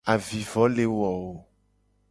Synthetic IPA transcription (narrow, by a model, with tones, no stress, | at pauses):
a˨vi˨vɔ˨˦le˨wɔ˨wo˦